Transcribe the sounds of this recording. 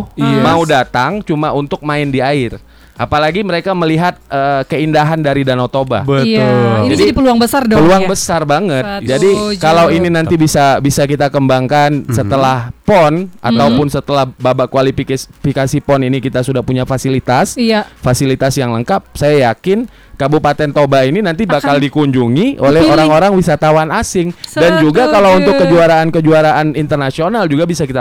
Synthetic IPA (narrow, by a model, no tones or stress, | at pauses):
maudat̪aŋt͡ʃumaunt̪ʊk̚maɪndiaɪr | ʔapalaɡiməɾekaməliɦat̪̚əːkəindaɦandaɾidanot̪oba̰bəd͡ʒadipəluaŋbəsardpəluaŋbəsarbaŋət̪̚d͡ʒadikalawininanibisabisakit̪akəmbaŋkansət̪əlahpɔnʔa̰t̪aupʊnsət̪əlahbabaʔkwalifikfikasipɔninikit̪asudahpuɲafasilit̪asfasilit̪asjaŋləŋkap̚sajajakɪn | kabupat̪ɛnt̪obaininant̪ibakaldikuɲd͡ʒuŋiʔolɛhoɾaŋoɾaŋwisat̪awanasɪŋdand͡ʒuɡakalawunt̪ʊkːəd͡ʒuaɾaːnkəd͡ʒuaɾaʔanint̪ərnasionald͡ʒuɡabisakit̪a